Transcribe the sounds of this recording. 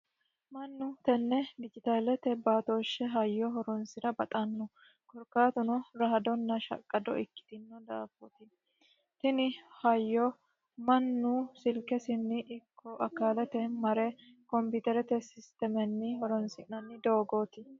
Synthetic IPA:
mɐnːʊt̪ɛnːɛd̪ɪd͡ʒɪt̪aːlɛt̪ɛbaːt̪oːʃːɛɦɐjːɔɦɔɾɔnsɪɾɐbɐt̪ʼɐnːɔ | kɔɾkaːt̪ʊnɔɾɐːɐd̪ɔnːɐʃɐ̰kʼːɐd̪ɔ̰ʔɪkːɪ̥t̪ɪnːɔd̪aːfɔt̪ɪ | t̪ɪnɪhɐjːɔ | mɐnːusɪlkɛsɪnːɪʔɪkʰːɔʔɐkːaːlɛt̪ɛmɐɾɛ | kɔmpɪt̪ɛɾɛt̪ɛsɪst̪ɛmɛnːɪhɔɾɔnsɪnɐnːɪd̪oːɡoːt̪ɪ

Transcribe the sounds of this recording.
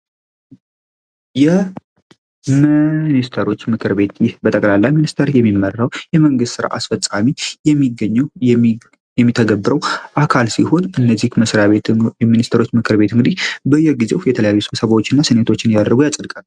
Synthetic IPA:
jɛ | mɨnist̪ʰəɾo̞t͡ʃːmɨkʰɨɾbe̞t̪jɪhbət̪ʼəkʼlalːajminist̪ʰəɾjɛmːimːərːawjɛməŋɡɨst̪sɨɾa̰ʔa̰sfət͡sʼːamijɛmːiɡəɲː | jɛmːit̪ʰəɡəbːɨɾəwʔakʰalsiho̞nɨnːəzːihməsɾaβeɛminist̪ʰəɾot͡ʃːmɨkʰɨɾbe̞t̪ɨŋɡɨd̪ihbəjːɛɡize̞wjɛt̪ʰələjajːusɨsəβawot͡ʃːɪnːasɨne̞t̪ʰo̞t͡ʃːɪnjad̪əɾɡujat͡sʼəd̪kʼal

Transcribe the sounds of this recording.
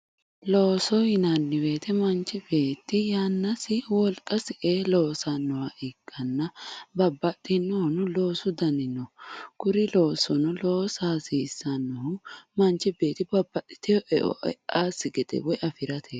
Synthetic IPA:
loːsɔjɪnanːɪbe̞ːt̪ʰɛmɐnt͡ʃːɪbe̞ːt̪ːɪjaːnːɐsɪwɔlkʼːɐsɪʔeːloːsɐnːɔwɐʔɪɡʼːɐnːɐbɐbːɐt̪ʼːɪnːɔnʊlo̞ːsʊd̪ɐnɪnɔkʊɾɪlo̞ːsɔnʊlo̞ːsaːsiːsːɐnːɔhʊmɐnt͡ʃːɪbe̞ːt̪ɪbɐbːɐt̪ʼːɪ̥t̪ɪjɔʔɛʔɔ̰ʔaːsɪɡɛd̪ɛ̰wɔjʔɐfɪɾɐt̪ʰeː

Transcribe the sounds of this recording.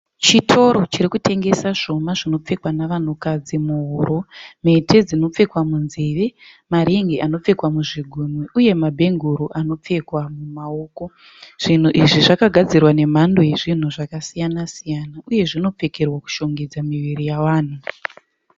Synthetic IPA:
t͡ʃitʰo̞ɾo̞t͡ʃiɾikute̞ŋɡe̞saʂo̞maʐino̞p͡fe̞kwanaʋan̤ukad͡zimuɦoɾʔo̞metʰe̞d͡zino̞p͡fe̞kwamunzeʋemaɾeŋɡeʔano̞p͡fe̞kwamuʐiɡʱumiʔuje̞mabʱe̞ŋɡuɾuʔano̞p͡fe̞kwamumaoːko̞ | ʐ̥in̤uʔiʐiʐakaɡʱad͡zirwane̞m̤ando̞je̞ʐin̤uʐakasijanasijanauje̞ʐino̞p͡fe̞ke̞rwaku̥ʃo̞ŋɡed͡zamiʋirijawaːn̤u

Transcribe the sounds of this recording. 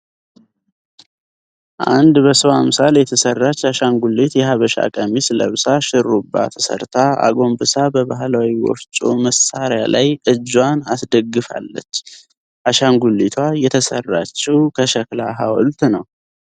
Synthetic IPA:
ʔand̪bəsəwamsaljɛt̪ʰəsərːat͡ʃːaʃaŋɡulːit̪jɛɦaβəʃa̰kʼəmisləβsaʃɪɾːubːa̰t̪ʰə̥sə̰ɾt̪ʰaa̰ɡo̞mbɨsabəβaɦlawiwɔ̰ft͡ʃʼuməsːaɾjalʔajʔɨd͡ʒwanasd̪əɡːɨfa̰lːət͡ʃː | ʔaʃaŋɡulːit̪ʰwajɛt̪ʰəsə̰rːat͡ʃːɛwkʰəʃəklaɦawɔlt̪nəw

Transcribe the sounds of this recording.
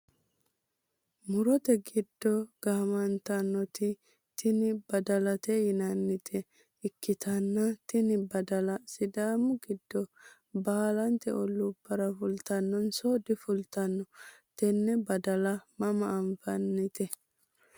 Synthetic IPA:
mʊɾɔt̪ɛɡɪd̪̥ːɔɡ̥ɐmɐnt̪ɐnːɔt̪ɪ | t̪ɪnɪbɐd̪ɐlɐt̪ɛjɪnɐnːɪt̪ʰɛ | ɪkːɪt̪ʰɐnːɐt̪ɪnɪbɐd̪ɐlɐsɪd̪aːmʊɡɪd̪ːɔ | baːlɐnt̪ɛ̰ʔɔlːubːɐɾɐfʊlt̪ɐnːɔnsoːd̪ɪfʊlt̪ɐnːɔt̪ɛnːɛbɐd̪ɐlɐmɐmɐʔːɱfɐnːɪt̪ɛ

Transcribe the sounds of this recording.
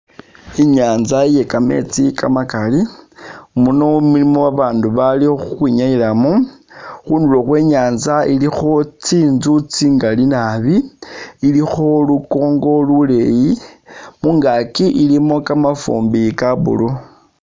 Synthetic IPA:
iɲaːnzaije̞kame̞̰t͡sika̰makali | munomulimowaβaːnduβalixuxwiɲailamu | xuːnduloxwe̞ːɲaːnzailixo̞t͡siːnzut͡siŋɡalinaβiilixo̞luko̞ːŋɡo̞lule̞jimuŋɡakiʔilimo̞kamafṵːmbikaβṵlu

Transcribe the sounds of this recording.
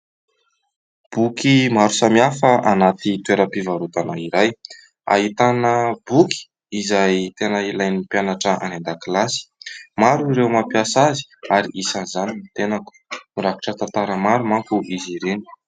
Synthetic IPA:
b̥ukimaɾusamiafəanat̪it̪uweɾəpivaɾut̪anaiɾaj | a̰ɦit̪anəbuki̥ | izajt̪enəilajnipjanaʈ͡ʂəa̰nend̪aklasi̥maɾuiɾewmapiasazi̥aɾiʔisanzaninit̪enaku̥miɾaku̥ʈ͡ʂət̪ant̪aɾəmaɾumaŋkuʔiziɾeni̥

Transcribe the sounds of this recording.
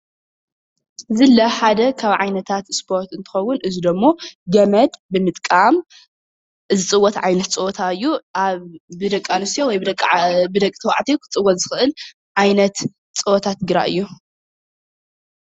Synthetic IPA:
zɨlːɐħad̪ɐkʰaβʕajnɐt̪ʰat̪spʰo̞ɾt̪ɨnt̪ʰɨ̥xɐwːʊnʔɨzid̪ɐmːo̞ɡɐmɐd̪bɨmɨt̪ʼkʼam | zɨt͡sʼɨwːɔt̪ʕajnɐt̪t͡sʼɨot̪ʰaɨjːuaβːɨd̪ɐkʼːalusijowɔjbɨd̪ɐkʼːbɨd̪ɐkʼt̪ʰɐwa̰ʕt̪ʰikʰɨ̥t͡sʼɨwːɔt̪zɨxɨʔɨl | ʕajnɐt̪ | t͡sʼɨɔt̪ʰat̪ɡɨɾa̰ʔɨ̰jːu

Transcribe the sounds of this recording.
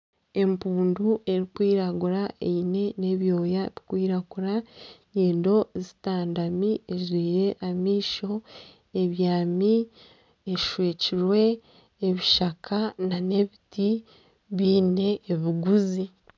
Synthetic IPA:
e̞mpuːnduʔe̞ɾikwiːɾaɡuɾaʔeine̞ne̞βjo̞ːjaβikwiːɾaɡuɾaɲeːndo̞zitaːndamiezwiːɾe̞ʔamiːʃo̞ | e̞βjaːmi | eʃweːciɾwe̞ː | βiʃakʰanane̞βiti | βiːne̞ʔːβiɡuzi

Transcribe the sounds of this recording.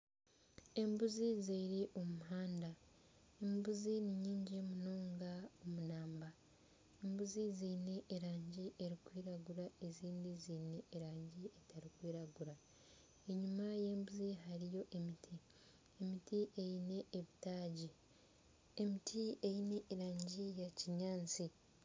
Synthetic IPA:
e̞mbuzizeɾiʔomuɦaːnda | embuziniɲiːɲɟimunoːŋɡaomunaːmba | embuziziːne̞ʔːɾaːɲɟiʔeɾikwiːɾaɡuɾae̞ziːndiziːne̞ːɾaːɲɟietaɾikwiːɾaɡuɾa | eɲumaje̞ːmbuziɦaɾijo̞ʔemitʰi | emitiʔejine̞ʔeβitaːɟi | emitʰiejine̞ʔːɾaːɲɟijaciɲaːnt͡si

